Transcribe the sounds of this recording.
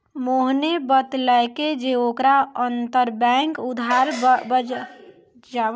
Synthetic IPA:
moɦnebət̪ləɪked͡ʒeokɾaənt̪əɾbɛ̃ŋkud̪ʱaɾbə | d͡ʒa

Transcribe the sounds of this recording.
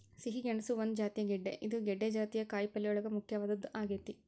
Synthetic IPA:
siɦiɡeɳɐsuʋond̪d͡ʒaːt̪ijɐɡɛɖːḛʔid̪uɡɛɖːed͡ʒaːt̪ijɐkaːjpɐlːijɔɭɐɡɐmukʰjɐʋaːd̪ɐd̪ːuʔaːɡeːt̪i

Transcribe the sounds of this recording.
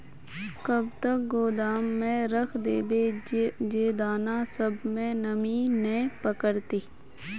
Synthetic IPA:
kəb̚t̪ək̚ɡoːd̪aːmːẽɾəkʰd̪eːbeːd͡ʒeːd̪aːnasəbmẽnəminẽpəkəɾt̪iː

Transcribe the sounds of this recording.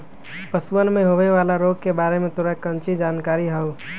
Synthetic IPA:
pəsuənmẽɦoʋeʋaːlaɾoɡkebaːɾemẽt̪oɾakə̃nt͡ʃid͡ʒaːnkaːɾiɦəo

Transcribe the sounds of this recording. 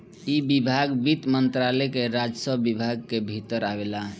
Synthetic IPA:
ibibʱaɡbit̪mənt̪ɾalɛkeɾad͡ʒsəbibʱaɡ̚kebʱit̪əɾabela

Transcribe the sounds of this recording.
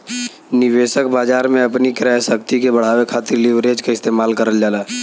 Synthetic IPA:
nɪʋeːʃək̚baːd͡ʒaːɾmẽɐpnikɾɛɦsəkt̪ikebɐɽ̤aːwekʰaːt̪ɪɾlɪʋɾeːd͡ʒkaɪst̪eːmaːlkəɾəld͡ʒaːlaː

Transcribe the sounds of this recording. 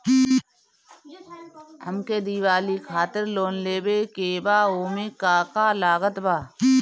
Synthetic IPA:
həmked̪iːʋaːlikʰaːt̪ɪɾloːnleːbekeːbaːoːmekaːkaːlaːɣət̪baː

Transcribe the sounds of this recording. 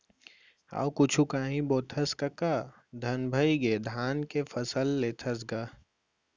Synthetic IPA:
a̰ːwkʊt͡ʃʰukaːɦĩboːt̪ʰɐskakaː | d̪ʱɐnbʱɐiɡeːd̪ʱaːnkefʰɐsəlːeːt̪ʰɐs̬ɡaː

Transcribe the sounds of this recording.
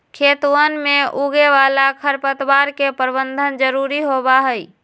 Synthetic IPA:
kʰet̪wənmẽʔuɡeʋalakʰəɾpət̪ʋaɾkepəɾbənd̪ʱənd͡ʒəɾuɾiɦobaɦəi

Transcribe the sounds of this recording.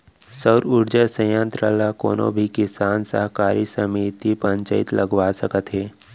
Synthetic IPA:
səwɾʊɾd͡ʒəsə̃jãnt̪ɾaːlako̰ːnõ̰bʱikɪsaːnsə̰ɦkaːɾisəmiːt̪ipə̃ɲt͡ʃəɪt̪ləɡwasəkət̪ɦɛː

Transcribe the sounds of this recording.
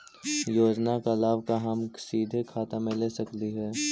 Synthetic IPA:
joːd͡ʒnakalaːbʱkaɦɐmsiːd̪ʱekʰaːt̪amẽleːsɐkliɦɛː

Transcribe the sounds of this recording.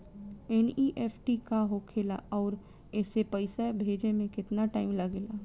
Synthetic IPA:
ɛniʔeːpʰʈikaɦokʰeːlaɔːɾ | ɛːsepəɪsabʱeːd͡ʒemẽkɪt̪naʈaːɪmlɐɡeːlaː

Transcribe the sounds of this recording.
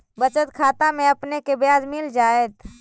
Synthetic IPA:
bət͡ʃət̪kʰat̪ameəpnekebjad͡ʒmild͡ʒaet̪

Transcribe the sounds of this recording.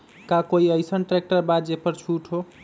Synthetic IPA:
kakoiəjsənʈɾek̚ʈəɾbad̪d͡ʒepəɾt͡ʃʰuʈʰɦo

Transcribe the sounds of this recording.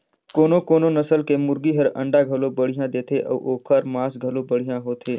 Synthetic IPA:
koːnõkoːnonɐsəlkemʊɾɡiɦəɾɐ̰̃ɳɖaɡʱɐlõbɐɽ̤ijãd̪eːt̪ʰeʔɔ̰ːʔoːkʰəɾmãːsɡʱɐlõbɐɽ̤ijãɦoːt̪ʰeː

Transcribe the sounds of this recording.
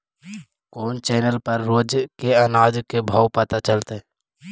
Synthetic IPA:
koːnt͡ʃɛːnəlpəɾːoːd͡ʒkeənaːd͡ʒkebʱaːwpət̪at͡ʃəlt̪e

